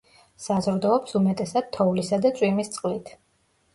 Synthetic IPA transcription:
sazɾd̪ɔːpsumɛt̪ʼɛsad̪̥̚t̪ʰːɔvlisad̪at̪sʼwimist̪sʼqʼlit̪ʰ

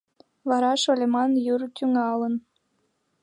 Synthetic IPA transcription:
βɑɾɑʃolʲemɑnjurt̪ʲyŋɑlən

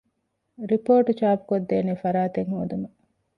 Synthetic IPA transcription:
ɾipoːʈut͡ʃaːpu̥kod̪ːeːniːfɐɾaːt̪eŋhoːd̪umɐ

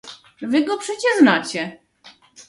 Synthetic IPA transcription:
vɘɡɔpʂɛt͡ɕɛʐnat͡ɕɛ

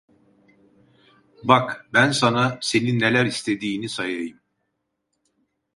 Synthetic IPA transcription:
bakbænsanase̞ninːelʲæɾist̪ʰe̞d̪iːnisajajɯm

